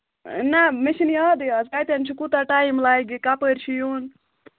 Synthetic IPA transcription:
nameʃinjaːd̪ɨɐzkaːjt̪ant͡ʃʰikut̪aʈaimlajɡikapəɾt͡ʃʰijuːn

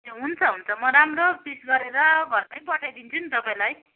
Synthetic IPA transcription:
ɦunt͡sʰʌɦunt͡sʰʌmʌɾamɾopisɡʌɾeɾʌɡʱʌrpajpʌʈʰajd̪int͡sʰunit̪ʌpaĩlaj

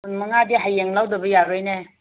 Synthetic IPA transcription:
mɐŋadiɦajːeŋlawdɐbɐjaɾɯjne

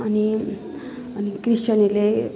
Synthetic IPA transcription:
ani | anikɾiɕt͡ɕənile

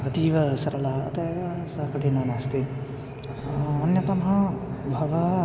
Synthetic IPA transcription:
ɐt̪iːʋɐsɐɾɐlaɐ̰t̪eːʋɐsɐkɐʈʰinaːnaːst̪i | ɐnjɐt̪ɐmɦɐbʱɐʋɐ

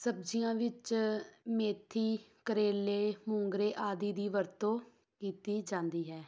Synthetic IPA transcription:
səb̚d͡ʒijãːʋɪt͡ʃmeːt̪ʰiːkəɾeːleːmʊ̃ŋɡɾeːʔaːd̪iːd̪iːʋəɾt̪õː | kiːt̪iːd͡ʒãːnd̪iːɦɛː

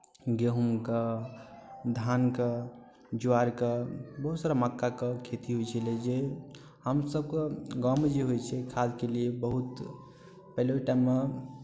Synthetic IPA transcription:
ɡeɦumkə | d̪ʱankə | d͡ʒuaɾkəbəɦut̪saɾaməkːakəkʰet̪iɦojt͡ʃʰɛled͡ʒe | həmsəb̚kəɡamed͡ʒeɦojt͡ʃʰɛkʰad͡ʒkeliebəɦut̪ | pɛloʈaɪmːe

